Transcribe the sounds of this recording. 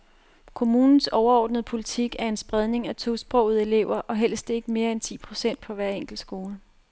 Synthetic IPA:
kʰo̝muːnn̩sɒʊɐɒ̰ːd̥nəð̞̩ˠpʰo̝lit͡sʰiɡ̥æɐe̝nsb̥ʁað̞ˠne̝ŋæt͡sʰo̝̰ːsb̥ʁɔ̽ʊð̩ˠe̝le̝ʊ̰ɐʔɒ̽ɦel̰sd̥e̝ɡ̥əme̝ːɐent͡sʰḭːpʰʁo̝sen̰d̥pʰɒ̽ʋæɐeŋ̰ɡ̥l̩̥sɡ̥o̝ːlə

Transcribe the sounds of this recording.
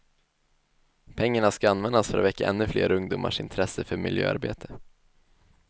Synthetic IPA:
pʰɛŋːaɳaskaanvɛnd̪asfœɾɔvɛkːaʔɛnːɵflḛːɾɵŋd̪uːmʔa̰ʂɪnt̪ʰɾɛsəfœɾmɪ̰ljø̰ːa̰ɾbḛːt̪ʰə̥

